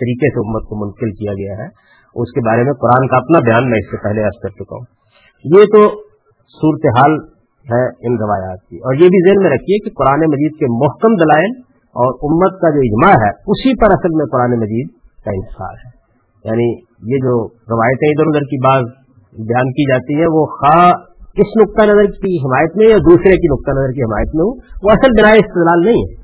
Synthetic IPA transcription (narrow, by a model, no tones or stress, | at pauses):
t̪ɐɾiːkeseʊmːət̪̚komʊ̃nt̪əkɪlkijaɡɐjaɦɛ | ʊskebaːɾemẽqʊɾaːnkaɐpnabjaːnmɛ̃ɪsːepɛɦleɐɾskɐɾt͡ʃʊka̰ɦṵ̃ː | jet̪o | suːɾət̪eɦaːl | ɦɛɪnɾɪʋaːjaːt̪̚kiɔːɾjebʱizeɦnmẽɾɐkʰiɦɛkiqʊɾaːnemɐd͡ʒiːd̪̚kemʊɦkəmd̪ɐlaːɪl | ɔːɾʊmːət̪kad͡ʒoːɪd͡ʒmaɦɛːʊsipɐɾɐsəlmẽqʊɾaːnemɐd͡ʒiːd̪̚ | kaɪ̰nɪsa̰ːnɦɛː | ja̰ːni | jed͡ʒoː | ɾɪʋaːjət̪ẽɪd̪əɾʊd̪əɾkibaːz | bɪjaːnkid͡ʒaːt̪iɦɛ̃ʋoxaː | kɪsnʊk̚t̪anɐzəɾkiɦɪmaːjət̪mẽjad̪uːsɾekinʊk̚t̪anɐzəɾkiɦɪmaːjət̪mẽɦuʋoɐsəlbɪnaːeɪst̪ɪd̪laːlnɐɦĩɦɛ̰ː